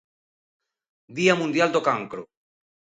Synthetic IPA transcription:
d̪iamũnd̪jald̪okaŋkɾo

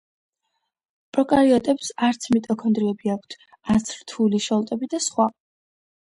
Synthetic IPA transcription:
pʼɾɔkʼaɾiɔt̪ʼɛpsaɾt̪sʰmit̪ʼɔkʰɔnd̪ɾiɛbiak̚ʷʰt̪ʰ | at̪sʰɾt̪ʰuliʃɔlˠt̪ʼɛbid̪asχwa

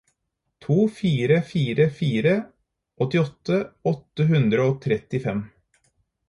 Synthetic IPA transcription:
t̪ʰuːfiːɾəfiːɾəfiːɾə | ʔɔt̪ːɪɔt̪ːəɔt̪ːəɦʉnd̪ɾəoːt̪ʰɾɛt̪ːɪfɛm

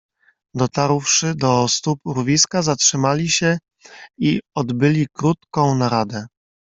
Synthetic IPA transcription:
d̪ɔt̪aɾwʂɘd̪ɔst̪upɾuvʲiskazatʂɘmalʲiɕɛ | iɔd̪bɘlʲikɾut̪̚kɔ̃w̃naɾad̪ɛ

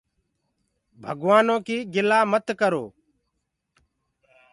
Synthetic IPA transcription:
bʱəɡʋaːnõːkiːɡɪlaːmət̪kəɾoː

